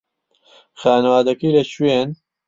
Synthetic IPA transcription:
xaːnɐwaːd̪ɐkiːlɐt͡ʃʰueːn

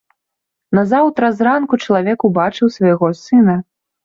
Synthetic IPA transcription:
nɐzawt̪ɾɐzɾankut͡ʂɐlˠavʲɛkubat͡ʂɨwsvɐjɣɔsɨnɐ

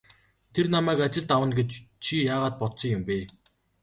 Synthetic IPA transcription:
t̪ʰernamæːkat͡ɕɪ̆ɮt̪awə̆nɡet͡ɕt͡ɕʰijaːʁaːt̪̚pɔt̪sĭŋjʊmpeː

